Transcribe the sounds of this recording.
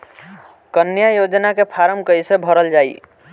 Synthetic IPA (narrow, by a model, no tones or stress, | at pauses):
kənjajod͡ʒnakepʰaɾəmkəjsebʱəɾəld͡ʒai